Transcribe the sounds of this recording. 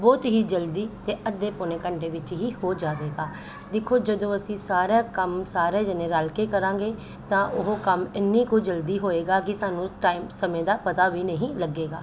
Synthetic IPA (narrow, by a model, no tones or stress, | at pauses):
bɔːt̪ɦiːd͡ʒəld̪iːt̪eːʔəd̪ːeːpʊnẽːkəɳɖeːʋɪt͡ʃɦiːhoːd͡ʒaːʋeːɡaː | d̪ɪkʰːoːd͡ʒəd̪õːəsĩːsaːɾaːkəmsaːɾeːd͡ʒənẽːɾaːlkeːkəɾãːɡeː | t̪ãːʔʊɦoːkəmɪnːiːkoːd͡ʒəld̪iːɦoːeːɡaːkɪsaːnũːʈaːimsəmẽːd̪aːpət̪aːʋiːnəɦĩːləɡːeːɡa̰ː